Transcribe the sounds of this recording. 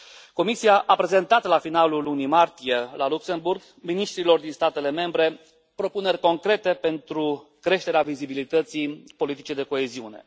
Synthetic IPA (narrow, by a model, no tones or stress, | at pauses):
ko̞misijaʔapɾe̞ze̞nt̪at̪lafinalulunimart̪ije̞lalukse̞mburɡ | miniʃt̪ɾilo̞rd̪inst̪at̪e̞le̞me̞mbɾe̞ | pɾo̞pune̞rʲko̞ŋkɾe̞t̪e̞pe̞nt̪ɾukɾe̞ʃt̪e̞ɾeavizibilit̪ət̪sipo̞lit̪it͡ʃejd̪e̞ko̞eziune̞̰